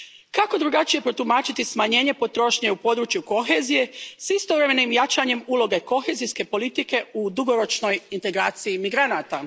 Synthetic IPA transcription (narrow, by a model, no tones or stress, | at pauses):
kakod̪ɾuɡat͡ʃije̞pɾot̪umaːt͡ʃit̪ismaɲe̞ːɲe̞po̞t̪ɾo̞ːʃɲe̞upo̞d̪ɾut͡ʃjuko̞xezije̞sist̪oʋɾe̞me̞nimjat͡ʃaɲe̞muːlˠo̞ɡe̞ko̞xe̞ːzijske̞po̞lit̪ike̞ud̪uɡo̞ɾo̞t͡ʃno̞jint̪e̞ɡɾaːt̪siimiɡɾanaːt̪a